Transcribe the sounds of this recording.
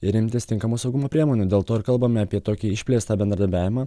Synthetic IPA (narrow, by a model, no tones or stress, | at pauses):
ɪɾɪmʲt̪ʲɪst̪ʲɪŋkɐmuːsɐʊɡʊmoːpʲɾʲiɛmoːnʲuːd̪ʲeːlˠt̪oːɪɾkɐlˠbɐmʲɪɐpʲiɛt̪oːkʲiːɪʃʲpʲlʲeːst̪ɐːbʲɛnd̪ɾd̪ɐɾʲbʲæːʋʲɪmɑː